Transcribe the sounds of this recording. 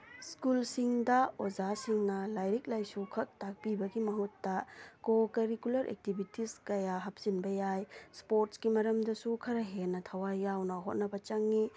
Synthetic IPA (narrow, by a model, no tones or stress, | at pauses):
skulsiŋdɐozasiŋnɐlajɾik̚lajsukʰɐk̚tak̚pibɐɡimɐɦutːɐkokɐɾikulɐɾʔḛk̚tibʱitiskɐjaɦɐp̚sinbɐjajspoɾtskimɐɾɐmdɐsukʰɐɾɐɦenɐtʰɐwajːawnɐɦot̚nɐbɐt͡ʃɐŋːi